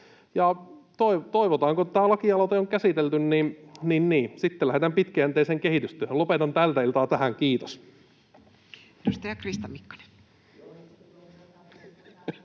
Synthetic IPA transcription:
jɑt̪oit̪oiʋot̪ɑːŋkot̪æːlɑkiɑlot̪eoŋkæsit̪elt̪ynninninniːsit̪ːelæhet̪æmpit̪kæænt̪eˑːseːŋkehit̪yst̪ˑyøhølopet̪ɑnt̪ælt̪æilt̪ɑːt̪æhæŋkiːt̪os | edust̪ɑjɑkrist̪ɑmmikːɑ̥ne̥

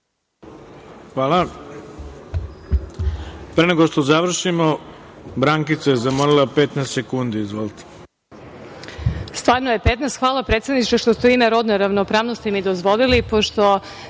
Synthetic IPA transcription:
xʋaːla | pɾeneɡoʃt̪ozaʋr̩ʃimobɾaŋkit̪sajezamolilˠapet̪nɛst̪sekund̪iizʋolˠt̪e̥ | st̪ʋaːɾnojepet̪nɛst̪xʋaːlapɾet̪sed̪nit͡ʃeʃt̪osuimeɾo̞d̪neɾaʋnopɾaːʋnost̪imid̪ozʋolilipoʃt̪o̞

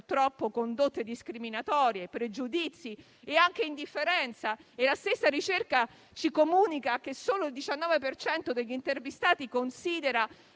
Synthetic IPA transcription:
rt̪ɾɔpːokond̪ot̪ːed̪iskɾiminat̪ɔːɾjepɾed͡ʒud̪it̪sːi | eaŋk̟eind̪ifːeɾɛnt̪saelast̪esːaɾit͡ʃerka | t͡ʃikomuːnikak̟esːoːloild̪it͡ʃanːɔːvepert͡ʃɛnt̪od̪eʎːint̪ervist̪aːt̪ikonsiːd̪eɾa

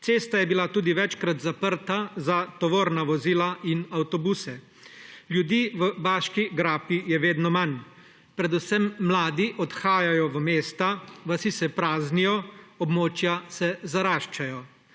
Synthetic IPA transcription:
seːst̪ajɛbilat̪uːd̪iʋɛt͡ʃkɾat̪zapəɾt̪azat̪ɔʋoːɾnaʋɔziːlainawt̪ɔbuːsɛ | ljud̪iːʋəbaːʃkiɡɾaːpijɛʋeːd̪nɔman | pɾɛd̪usɛmːlaːd̪iʔɔt̪xaːjajɔʋəmeːst̪aʋasisɛpɾaːznijɔɔbmoːt͡ʃjasɛzaɾaːʃt͡ʃajɔ

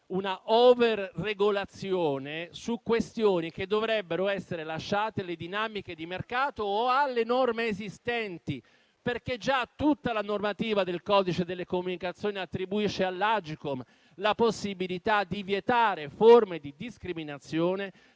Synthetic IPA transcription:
unaʔɔverrːeɡolat̪sːjoːnesukːwest̪joːnik̟ed̪ːovɾɛbːeɾoɛsːeɾelaʃːaːt̪ealed̪inamiked̪imerkaːt̪oːalːenɔrmeːzist̪ɛnt̪i | perk̟ed͡ʒat̪ːut̪ːalanormat̪iːvad̪elkɔːd̪it͡ʃed̪elːekomːunikat̪sːjoːniat̪ːɾibuiʃːealːad͡ʒikom | laposːibilit̪ad̪ivjet̪aːɾeformed̪id̪iskɾiminat̪sːjoːne

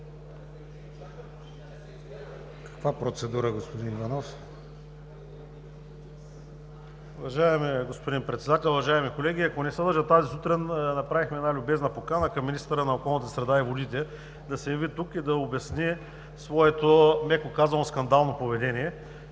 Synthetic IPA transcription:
kɐ̥kvapɾot̪sɛd̪uɾəɡospod̪inivɐnɔf | uvɐʒaɛmiɡospod̪inpɾɛt̪sɛd̪at̪ɛlˠʊvɐʒaɛmikolɛɡ̟ʲiɐkonɛsəd̪əɾʒət̪azisut̪ɾinnɐpɾavixmɛd̪alʲʊbɛznɐpokanəkɐmːinist̪əɾənɐokɔlˠnət̪əsɾɛd̪aivod̪it̪ɛ | d̪ɐsɛjɐvit̪ukid̪ɐobʲɛsni | svɔɛt̪omɛkokazvɐnoskɐnd̪alˠnopovɛd̪ɛnijɛ

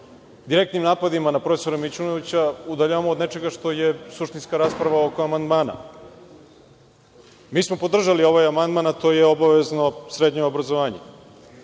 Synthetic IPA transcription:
d̪iɾe̞k̚t̪nimnaːpad̪imanapɾofeso̞ɾemit͡ʃunoʋit͡ɕaud̪aʎaʋamood̪ne̞t͡ʃe̞ɡaʂt̪o̞jesuʂt̪inskaɾaːspɾaʋaoko̞amand̪maːna̰ | miːsmopod̪r̩ʒalio̞ʋajamand̪manat̪o̞jeo̞baʋe̞zno̞sɾed̪ɲeobɾazoʋaːɲḛ

